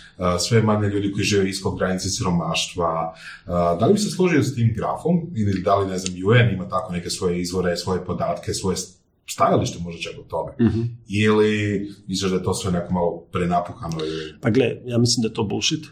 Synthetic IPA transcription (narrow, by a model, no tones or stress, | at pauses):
əsʋemaɲeʎuːd̪iko̞jiʒiːʋeiskoɡɡɾanit̪sesiɾo̞maːʃt̪ʋa | d̪alibiseslˠoʒiosat̪iːmɡɾa̰fo̞milid̪alineznamjuenimat̪ako̞ne̞ke̞sʋo̞je̞izʋo̞ɾe̞sʋo̞jepod̪aːt̪ke̞sʋo̞je | st̪ajaliʃt̪emo̞ʒet͡ʃakot̪o̞meilimislˠiʒd̪ajet̪o̞ːsʋe̞nekomalˠopɾenapuxanoipaɡlejaːmislimd̪ajet̪obuʃit̪